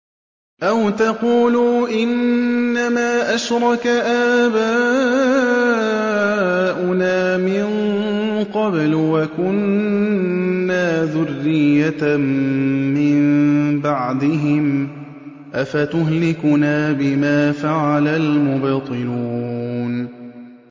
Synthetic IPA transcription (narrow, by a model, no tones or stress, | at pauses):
ʔawt̪ɑquːluːʔɪnːamaːʔaʃɾˤɑkaʔaːba | ʔʊnaːmɪn | qɑblwakʊn | aːðʊrːɪjːa | ɪmbaʕd̪ɪɦɪm | ʔafat̪ʊɦlɪkʊnaːbɪmaːfaʕalalmʊbt̪ˤɨluːn